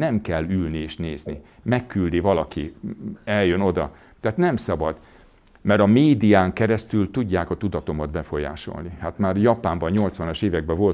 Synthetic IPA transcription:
nɛmkɛlːylnieːʃneːznḭ | mɛkːyld̪ivɒlɒkiɛljøno̞d̪ɒ̰ | t̪ɛɦaːt̪nɛmsɒbɒd̪ | mɛɾɒmeːd̪ijaːŋkɛɾɛst̪ylt̪uɟːaːkɒt̪ud̪ɒt̪o̞mɒd̪bɛfo̞ja̰ːʃo̰lnihat̪maːrjɒpaːmbɒɲɲo̞lt̪sʋɒnɒʃeːvɛɡ̚bɛvo̞l

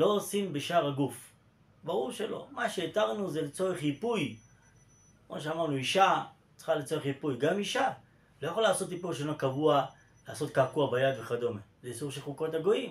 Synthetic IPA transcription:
lo̞osimbeʃaʁaɡuf | baʁuʁʃe̞lo̞̰maʃeet̪aʁnuzelet͡so̞eχjipuj | kmoʃeamaʁnuiʃa | t͡sχalet͡so̞eχjipujɡamiʃa | lojaχolaːso̞t̪ipuʁʃ̬onokavua | laːso̞t̚kakuabajad̪veχad̪o̞meleisuʁʃelχukothaɡo̞im

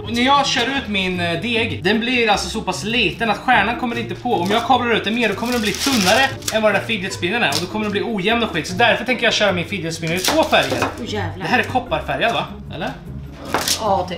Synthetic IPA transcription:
næɾjɑːɡɕœːɾʉ̟ːt̪mɪnd̪eːɡd̪ɛnblɪɾalsɔsɔpʰasliːt̪ənat̪ɧæːɳankʰɔmːəɾɪnt̪əpʰɔɔmjɑːɡkʰɑːblaɾʉ̟ːt̪̚d̪ɛnmeːɖɔkʰɔməɖɛnbliːt̪ʰɵnːaɾəɛnvad̪ɛnd̪æɾfid̪jɛt̪spɪnːənæ̰ɾɔd̪ɔkʰɔməɖɛnbliːuːjɛmnɔɧiːt̪sɔd̪æɾfœʈʰɛŋkəɾjɑːɕœːɾamɪnfid̪jɛt̪spɪnːəɾɪt̪ʰvoːfæɾja̰ɾd̪ɛɦæːɾɛkʰɔpːaɾfæɾjad̪va | ɛ̰lːəɾ

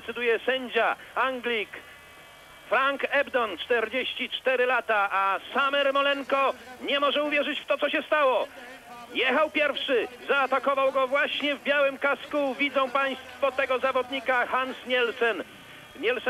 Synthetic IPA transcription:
t̪sɘd̪ujɛsɛɲd͡ʑaaŋɡlʲik | fɾaŋkɛbd̪ɔnt͡ʂt̪ɛɾd͡ʑeɕt͡ɕit͡ʂt̪ɛɾɘlat̪aʔasamɛɾmɔlɛŋkɔɲɛmɔʐɛuvʲjɛʐɘt͡ɕft̪ɔt̪sɔɕɛst̪awɔ | jɛxawpʲjɛɾfʂɘzaːt̪akɔvawɡɔvwaɕɲɛvbʲjawɘmkaskuvʲid̪zɔ̃w̃paj̃st̪fɔt̪ɛɡɔzavɔd̪ɲikaxansɲɛlsɛn | ɲɛls

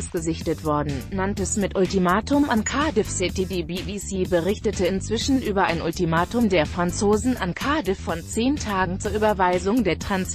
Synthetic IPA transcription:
sɡ̥əzɪçtətv̥ɔɐdn̩nantɛsmɪtʔʊltimaːtʊmankʰaɐdɪfsɪtidiːbivisiːbəʁɪçtətəɪnt͡sv̥ɪʃn̩ʔyːbɐʔa̰ɪnʊ̰ltimaːtʊmdeːɐfʁ̥ant͡soːzn̩ankʰaɐdɪfːɔnt͡seːntʰaːɡŋ̩t͡suːɐʔyːbɐvaɪzʊŋdeːɐtʁ̥ans

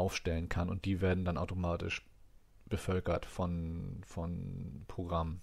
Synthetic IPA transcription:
ʔaʊfʃtɛlənkʰanʊ̰nt̚d̥iːveːɐdn̩danʔaʊtomaːtɪ̰ʃ | b̥əfœlkɐtfɔnfɔnpʁ̥oɡʁamə

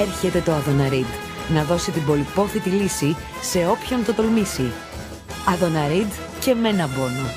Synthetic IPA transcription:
eɾçe̞t̪e̞t̪o̞ɐðo̞nɐɾid̪ | nɐðo̞sit̪ibo̞lipo̞θit̪ilisi | se̞o̞pço̞nt̪ot̪o̞lmisi | ɐðo̞nɐɾid̪ | ce̞me̞nɐbo̞no

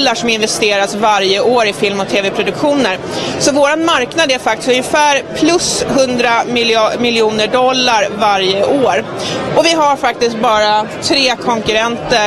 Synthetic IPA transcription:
lːaʂɔmɪnvɛst̪eːɾasvaɾjəʔoːɾɪfɪlmɔt̪ʰeːvɛpʰɾʊd̪ɵkɧuːnəɾ | sɔvoːɾanmaɾknad̪æɾfakt̪ɪ̥st̪ɵnjəfæːɾpʰlɵsɦɵnd̪ɾamɪlmɪlːjuːnəɖɔlːaɾvaɾjəʔoːɾ | ʔɔvɪɦaɾfak̚t̪ɪskt̪̚bɑːɾat̪ʰɾeːkʰɔŋkɵɾɛnt̪ə

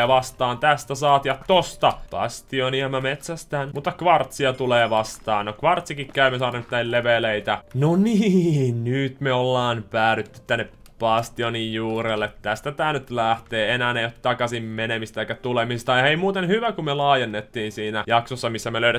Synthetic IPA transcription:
ʋɑst̪ɑːnt̪æst̪æsɑːt̪jɑt̪ost̪ɑpɑ̰st̪ioniɑmæmet̪sæst̪æːnmut̪ːɑkʋɑrt̪siɑt̪uleːʋɑst̪ɑ̰ːnnokʋɑrt̪sikikkæymesɑːnit̪ːæilleʋeleit̪ænoniːnnyt̪meolːɑːnpæːɾyt̪ːy̥t̪t̪ːænːep | pɑst̪ionijjuːɾelːet̪t̪ːæst̪æt̪æːnyt̪læht̪eːenæːnejot̪t̪ɑkɑsimmenemist̪æɑˑikːˑæt̪ulemisst̪ɑeimuːt̪enhyʋækummelɑːjenːet̪ːiːnsiːnæjɑksosːɑmisːæmeløyɾæ

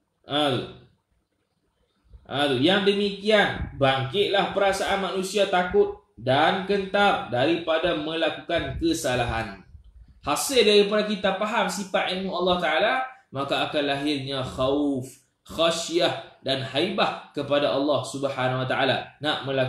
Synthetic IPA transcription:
ʔãt̪ṵ | ʔãt̪ujaŋdəmikianbaŋkɪt̪̚lahpəɾasaʔanmanũsiat̪akʊt̪̚ | dankənt̪ardaɾipadamə̃lakukankəsalaɦa̰nhasɪldaɾipadakit̪apaɦamsifaʔ̪ilmũɑlːɑht̪aʔalamakaːkanlaɦɪrɲãxawf | xaʃiahdanhajbahkəpadaʔɑlːɑhsubəhanawat̪aʔala̰naʔmə̃la

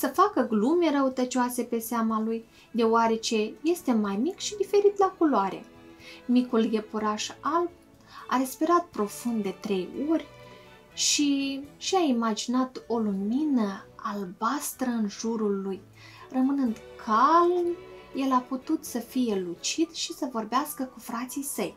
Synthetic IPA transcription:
səfakəɡlume̞ɾəut̪ət͡ʃoase̞pe̞seamaluj | d̪e̞oaɾe̞t͡ʃe̞je̞st̪e̞majmikʃid̪ife̞ɾit̪lakuloaɾe̞̰ | mikulje̞puɾaʃalb̚ | a̰ɾe̞spiɾat̪̚pɾo̞fund̪d̪e̞t̪ɾe̞jo̞rʲ | ʃiʃiaimad͡ʒinat̪o̞luminəalbast̪ɾəɨnʒuɾulːuj | rəmɨnɨnd̪kʰalmje̞laput̪ut̪səfije̞lut͡ʃid̪ʃisəvo̞rbeaskəkufɾat̪sijsəj

